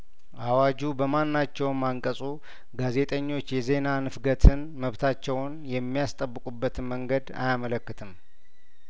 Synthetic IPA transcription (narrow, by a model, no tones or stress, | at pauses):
ʔawad͡ʒubəmanːat͡ʃːɛwnmaŋkʼəsʼu | ɡaze̞t̪ʼəɲːo̞t͡ʃːjɛze̞nanɨfɡət̪ʰɨnməβt̪ʰat͡ʃːɛwnjɛmːijast̪ʼəbːɨkʼubːət̪ɨnməŋɡəd̪a̰jamələkːɨt̪ʰɨm